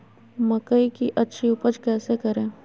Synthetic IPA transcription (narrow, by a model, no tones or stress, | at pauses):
məkəikiʔɐtːʃʰiupəd͡ʒkɛːsekəɾẽː